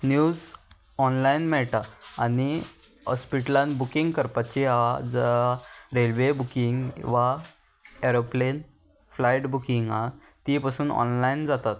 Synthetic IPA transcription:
njud͡z | ɔnlainmɛɭʈaːñi | ɔspiʈəlãnbukiŋɡkəɾpat͡ɕeɦad͡z | ɾelʋebukiŋɡʋa | eɾoplen | flajʈbukiŋɡa | t̪ipasuːnɔ̰nlaind͡zat̪at̪

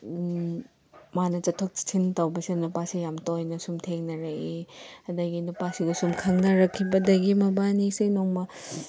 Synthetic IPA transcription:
manɐt͡ʃɐtʰok̚t͡ʃi̥tʰintɐwbɐsinupasijamtojnɐsumtʰeŋnɐɾɐʔiɐdɐɡinupasiɡɐsumkʰɐŋnɐɾɐkʰːibɐdɐɡimɐbanisijnoŋmɐ

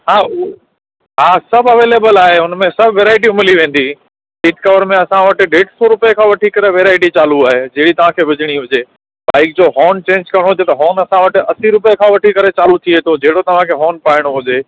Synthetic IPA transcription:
ɦaː | ɦaːsɐbʱɐʋeːleːbəlaːɦeʊnmẽsɐbʱʋeːɾaːɪʈ̬iʊmɪliʋẽːn̆d̪i | sɪʈkɐʋəɾmẽɐsãʋɐʈɪ̆ɖeːʈsoɾʊpekʰãːʋɐʈʰikɐɾeʋeːɾaːɪʈit͡ɕaːluaːɦed͡ʑɐɦɽit̪ɐʋ̤ãkʰeːʋɪd͡ʑɪɽ̃iɦʊd͡ʑeː | ba̰ːɪk̚d͡ʑoːɦɔːnt͡ɕẽːɲd͡ʑkɐɾjəɽ̃oɦʊd͡ʑet̪ɐɦɔːnɐsãʋɐʈɪ̆ɐsiɾʊpekʰãʋɐʈʰikɐɾet͡ɕaːlut̪ʰiet̪ʰod͡ʑeɦɽot̪ɐʋ̤ãkʰeːɦɔːnpaːɪɽ̃oɦʊd͡ʑeː

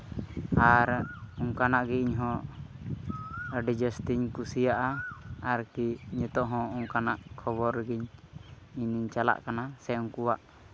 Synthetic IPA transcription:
aɾuŋkanaʔɡɛiɲɦɔ̃ | ɖid͡ʒɛsʈiɲkusijaʔaːɾkiɲət̪ɔʔɦɔ̃uŋkanaʔkʰɔbɔɾɡiɲ | iniɲt͡ʃala̰ʔkanasɛuŋkuwaʔ

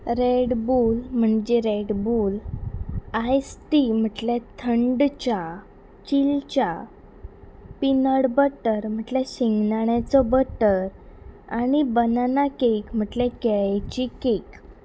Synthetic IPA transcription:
ɾeɽbulm̤əɳd͡ʑeɾeɽbul | ajsʈim̤əʈlet̪ʰəɳɖt͡ɕa | t͡ɕilt͡ɕa | pinəɽbəʈəɾm̤əʈleɕiŋɡnaɳat͡sɔbəʈəɾañibənanakekm̤əʈlẽkɛɭjt͡ɕikek

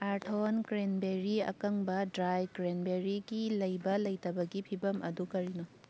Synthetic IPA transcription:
aɾtʰonkɾenbeɾiɐ̰kɐŋbɐdɾajkɾenbeɾiɡilɐjbɐlɐjtɐbɐɡipʰibɐmʔɐ̰dukɐɾino

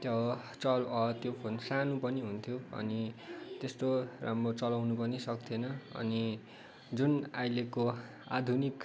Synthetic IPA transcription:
t̪jʌ | t͡sʌlʌt̪jopʰonsanupʌniɦunt̪ʰjoʌ̰nit̪est̪oramrot͡sʌlawnupʌnisʌkt̪ʰenʌʌ̰ni | d͡zunajleko | a̰d̪ʱunik

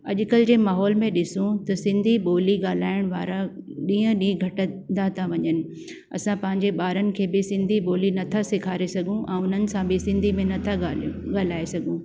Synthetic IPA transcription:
ɐʄʊkəld͡ʑeːmaːɦɔːlmẽɗɪsũt̪ɐsɪ̃nd̪ʱiɓoːliɠaːl̤aːɪɽ̃ʋaːɾaɗĩːə̃ɗĩːɡʱɐʈənd̪at̪ʰãʋɐɲənɪ̆ | ɐ̰sãpɐ̃ɦɪ̃ɲd͡ʑeɓaːɾənɪ̆kʰeːbɪsɪ̃nd̪ʱiɓoːlinɐt̪ʰasɪkʰaːɾesɐɡʱũʔɛ̃ːʊn̤ənɪ̆sãbɪsɪ̃nd̪ʱimẽnɐt̪ʰaɠaːl̤aːesɐɡʱũː

